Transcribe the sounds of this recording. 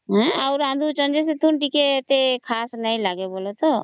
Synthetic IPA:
ɦɛ̃aʊɾãːnd̪ʱut͡ʃə̃nd͡ʒes̬et̪ʰunʈiket̪ekʰaːsnaĩlaɡeboːlot̪o

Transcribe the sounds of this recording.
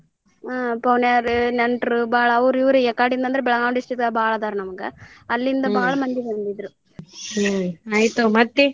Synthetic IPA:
pɐʋnjaːɾɯnɛɳʈɾɯbaːɭɐːʋuɾiʋɾɯɛkːaːʈind̪ɐnd̪ɪɾɯbɛɭɐŋaːmɳɖɪsʈɾit̪ːabaːɭɐd̪aːɾɯnɐmɐkːɯɐlːind̪ɐbaːɭɐmɐnd̪iʋɐnd̪iðɾɯ | ɐjt̪omɐt̪ːi

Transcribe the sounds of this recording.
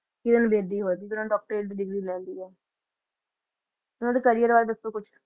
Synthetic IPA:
kɪd̪ɪnbeːd̪iːɦoːt̪iːt̪ʊɾãːʈɔːk̚ʈɾeːʈd̪iːɖɪɡɾiːlɛ̃ːnd̪iːɦɛː | ʊnãːd̪eːkəɾɪjəɾʋaːɾebəst̪oːkʊt͡ʃʰ

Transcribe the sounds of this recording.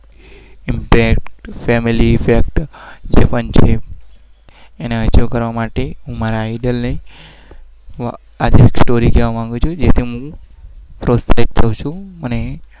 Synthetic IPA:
impɛkʈfɛmiliːfek̚ʈd͡ʒepənt͡ʃʰe | neət͡ʃokəɾʋamaʈeɦũmaɾaːiɖəlnəi | ad͡ʒeeksʈoɾikeʋamãŋɡut͡ʃʰod͡ʒet̪ʰiɦũ | pɾosait̚t͡ʃʰəʋt͡ʃʰũməne

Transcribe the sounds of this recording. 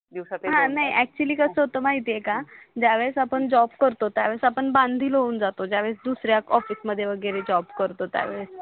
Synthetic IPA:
d̪iwsat̪ɦãnaiʔɛk̚t͡ɕuəliːkəsəɦot̪omaɦit̪jekad͡ʑaʋeɭsapəɳd͡ʑɔbkəɾt̪ot̪jaʋəɭsapəɳbãnd̪ʱiːlɦouːnd͡zat̪od͡ʑjaʋeɭsd̪usɾjakɔfiːsməd̪ʱːjeʋəɡəɾed͡ʑɔbkəɾt̪ot̪ja̰ʋeɭs

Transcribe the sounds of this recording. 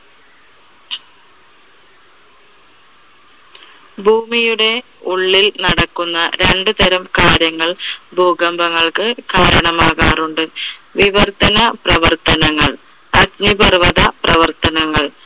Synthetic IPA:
bʱuːmijuɽe̞ | uɭːilnɐɽɐkːunːɐɾe̞ɳɖɨd̪ɐɾɐmkaːɾjɐŋːɐɭbʱuːɡɐmbɐŋːɐɭkɨkaːɾɐɳɐmaːɣaːruɳɖɨʋiʋɐrt̪ɐnɐprɐʋɐrt̪ɐnɐŋːɐɭ | ɐdɲibɐrʋɐðɐprɐʋɐrt̪ɐnɐŋːɐɭ

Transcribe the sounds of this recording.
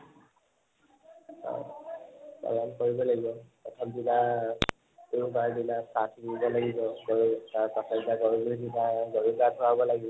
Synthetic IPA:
sa̰ | tɔ̰lankoɹibɔlaɡibɔpɔtʰɔmdina | uubaɹdinasatʰiɡibɔlaɡibɔkɔɹutaɹkɔtʰabidaɡɔɹubuidinaɡɔɹuɡatʰʊabɔlaɡibɔ

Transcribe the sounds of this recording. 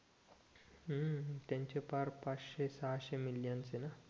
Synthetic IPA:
ət̪jaɲt͡ɕepaɾpat͡sɕesaɦaɕemiljant͡sena

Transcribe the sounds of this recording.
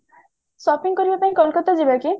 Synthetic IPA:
sɔpiŋkɔɾibapaĩkɔlkɔt̪ɔd͡ʒibaki

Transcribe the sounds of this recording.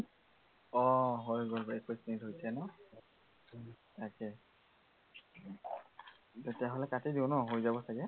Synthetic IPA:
ɔɦojɡolɛkojsinitɦojsɛnɔ | takɛ | tetɛaɦolɛkatidinɔɦojzabɔsakɛ

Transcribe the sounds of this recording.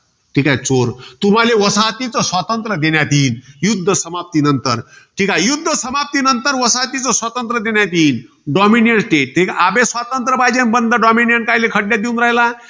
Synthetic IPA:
ʈʰiːkajt͡soɾt̪um̤aleʋəsat̪it͡sɔsʋat̪ənt̪ɾəd̪enjat̪iːnjud̪ʱːəsəmap̚t̪inənt̪əɾʈʰiːkajud̪ʱːəsəmap̚t̪inənt̪əɾʋəsat̪it͡sɔsʋət̪ənt̪ɾəd̪enjat̪iːn | ɖɔminjəɳʈʈeʈʈʰiːkaabesʋat̪ənt̪ɾəbad͡ʑenbənd̪ʱəɖɔminjəɳʈ̚kajlekʰəʈːjad̪iunɾaɦla

